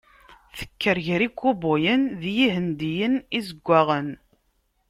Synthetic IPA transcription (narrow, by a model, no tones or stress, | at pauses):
θə̥kːəɾʝɾikʷːubʊjənðjihənd̪ijənizəɡʷːaʁən